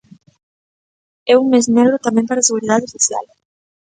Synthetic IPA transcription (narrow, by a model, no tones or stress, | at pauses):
ɛuŋmeznɛɣɾot̪amɛ̃mpaɾaseɣuɾið̞aðesoθja̰l